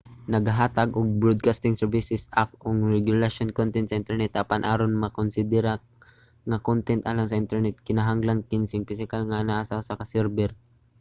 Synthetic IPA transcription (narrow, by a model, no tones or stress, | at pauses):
nɐɡaɦaːt̪aɡʔʊɡ̚bɾod̪̚kast̪ɪŋsɛɹvɪsɪsak̚ʔʊŋɹɛɡjʊlaʃonkont̪ɛnt̪sɐʔɪnt̪ɛɹnɛt̪ʔapanʔaːɾonmɐkʊnsɪd̪ɛɾa | ŋɐkont̪ɛnt̪ʔa̰laŋsɐʔɪnt̪ɛɹnɛt̪̚kɪnaɦaŋlaŋkɪnsɪŋpis̬ɪkalŋanaʔasasakɐsɛɾbɛɾ